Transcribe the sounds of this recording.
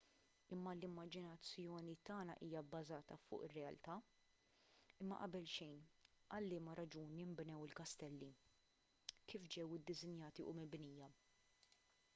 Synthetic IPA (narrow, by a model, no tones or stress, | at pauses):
ɪmːɐlɪmːɐd͡ʒɪnɐt͡sːjɔːnit̪ɐːnɐʔiːjɐbːɐzɐːt̪ɐfʊ̰ːʔɪrːɛɐlt̪ɐː | ɪmːɐ̰ʔɐbɛlʃɛjnʔɐlːɪːmɐɾɐd͡ʒuːnjɪmbnɛwɪlkɐst̪ɛlːi | kiːfd͡ʒɛwɪd̪ːɪzɪnjɐːt̪iʔʊ̰mɪbniːjɐ